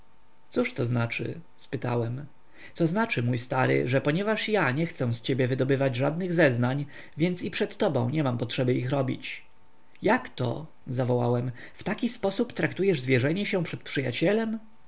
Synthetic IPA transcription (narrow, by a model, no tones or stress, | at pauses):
t̪suʂt̪ɔznat͡ʂɘ̰ | spɘt̪a̰wɛm | t̪sɔznat͡ʂɘmujst̪aɾɘ̰ʐɛpɔɲɛvaʂjaɲɛxt̪sɛ̃st͡ɕebʲjɛvɘd̪ɔbɘvad͡ʑʐad̪nɘɣzɛznaɲ | vʲjɛnt̪sipʂɛt̪ːɔbɔ̰̃w̃ɲɛmampɔtʂɛbɘixɾɔbʲḭt͡ɕ | jakt̪ɔ̰ | zavɔwa̰wɛm | ft̪akʲispɔsupt̪ɾakt̪ujɛʐzvʲjɛʐɛɲɛɕɛpʂɛt̪̚pʂɘja̰t͡ɕɛlɛm